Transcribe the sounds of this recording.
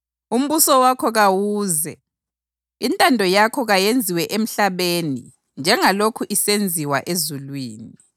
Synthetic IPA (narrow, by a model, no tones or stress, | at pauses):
um̩βusɔwakʰɔɣawuːzɛ | intʼandʱɔjakʰɔɣajend͡zʱiwɛʔem̩ɬaβeːnḭ | nd͡ʒʱɛŋalokʰuʔisend͡zʱiwaʔezulwiːni